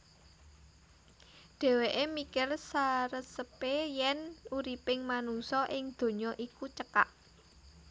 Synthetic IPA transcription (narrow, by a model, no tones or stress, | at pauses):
ɖ̥ɛ̤weʔemikɪrsaɾəsəpejɛnuɾipɪŋmanusɔʔɪŋd̪̥o̤ɲɔʔikut͡ʃəkaʔ